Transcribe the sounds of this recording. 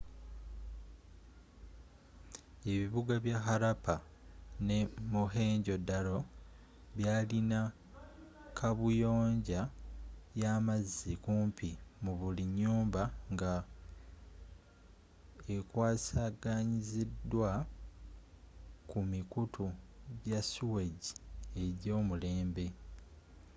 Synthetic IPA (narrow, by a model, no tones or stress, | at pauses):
e̞βiβuɡaβjaxaɾapʰa | ne̞muɦe̞ːɲɟo̞dːalo̞ | βjaːlina | kʰaβujo̞ːɲɟa | jaːmazːikuːmpʰimuβuliɲːuːmbaŋɡa | ekwaːsaːɡaɲizidːwa | kumikutʰuɟasuwe̞ɟie̞ɟo̞ːmule̞ːmbe̞